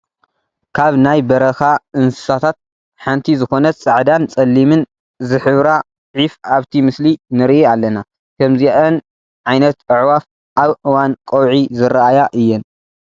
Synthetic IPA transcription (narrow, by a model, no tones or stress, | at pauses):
kʰaβnajbɐɾɐxaɨnsɨ̥sat̪ʰat̪̚ | ħant̪ʰizɨxo̞nɐt͡sʼɨʕd̪ant͡sʼɐlːimɨn | zɨħɨβɾa | ʕifaβt̪ʰimɨslinɨɾʔialːɐna | kʰɐmziʔɐn | ʕajnɐt̪ɨʕwaf | ʔaβʔɨwankʼɐwʕizɨɾaʔajaʔɨjːɛn